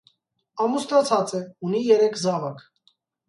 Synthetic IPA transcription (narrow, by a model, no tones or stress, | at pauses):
ɑmust̪ɑt͡sʰɑt͡sɛunijɛɾɛkʰzɑvɑk